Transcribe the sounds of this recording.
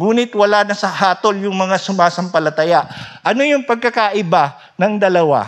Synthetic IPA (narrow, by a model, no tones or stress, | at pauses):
ŋuːnɪt̪wɐlanɐsɐhaːt̪oljʊŋmɐŋasʊmaːsɐmpɐlɐt̪ɐjaʔɐnojʊŋpɐɡ̚kɐkaʔɪba | nɐŋd̪ɐlɐwa̰